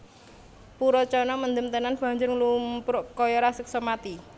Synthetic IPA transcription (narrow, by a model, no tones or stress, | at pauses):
puɾɔt͡ʃɔnɔmənd̪əmt̪ənanb̥a̤ɲd͡ʒʊrŋlumpɾʔkɔjɔɾasək̚sɔmat̪i